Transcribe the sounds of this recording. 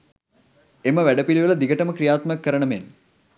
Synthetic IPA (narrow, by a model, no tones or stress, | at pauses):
eməʋæɖəpiliʋələd̪iɡəʈəməkɾijaːt̪mjakːəɾəɳəmen